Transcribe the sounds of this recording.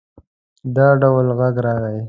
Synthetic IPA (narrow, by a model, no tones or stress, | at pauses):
d̪ɑɖawlɣaɡɾɑɣai